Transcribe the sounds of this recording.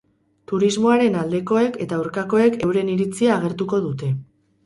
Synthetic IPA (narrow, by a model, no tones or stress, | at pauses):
t̪uɾizmo̞aɾe̞nald̪e̞ko̞e̞ke̞t̪auɾkako̞e̞ke̞wɾe̞niɾit͡siaːɣ̞e̞ɾt̪uko̞ðut̪e̞